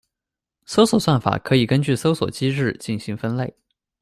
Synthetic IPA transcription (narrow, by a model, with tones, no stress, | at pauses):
so˥ʊswɔ˨˩swa˥˩nfa̰˨˩kʰɤ˧˥i˨˩kə˥nt͡ɕy˥˩so˥ʊswɔ̰˨˩t͡ɕi˥ɻɻ̩˥˩t͡ɕi˥˩nɕi˧˥ŋfə˥nle˥˩ɪ